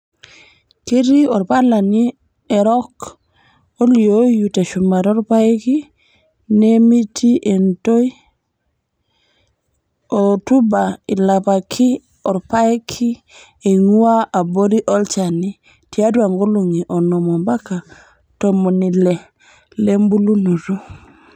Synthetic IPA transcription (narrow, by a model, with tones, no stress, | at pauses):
ki˦ɾi˦ɔ˨ɾpa˦la˨ni˦ | e˨ɾok | o˦li˨o˦ju˨te˨ʃu˨ma˨ɾo˦ɾpa˦ki˦ | ne˦mi˦tʰi˦ʔento˦j | otu˦ba˨i˨la˨pa˨kʰi˦ | ɔ˨ɾpa˦kʰi˦ | e˨ŋu˦a˦a˨bo˦ɾi˦ʔɔ˦lt͡ʃa˨ni˦ | ti˨a˦dua˨ŋɡo˦lu˨ŋi˨ʔɔ˨no˨mo˨mba˦ka˨ | to˨mo˨ni˨le˨ | le˦mbu˦lu˦nu˨tu˦